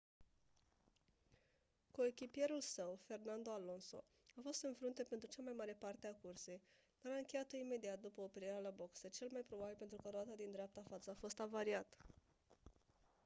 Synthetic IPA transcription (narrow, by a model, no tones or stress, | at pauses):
kue̞kʲipje̞ɾulsəwfe̞rnand̪o̞alo̞nso̞̰ | afo̞st̪ɨnfɾunt̪e̞pe̞nt̪ɾut͡ʃamajmaɾe̞part̪eakurse̞j | d̪aɾaɨŋkʲe̞jat̪o̞ime̞d̪iat̪̚d̪upəopeɾiɾealabo̞kset͡ʃe̞lmajpɾo̞babilpent̪ɾukəɾoat̪ad̪ind̪ɾeap̚t̪aːfat̪səafo̞st̪avaɾiat̪ə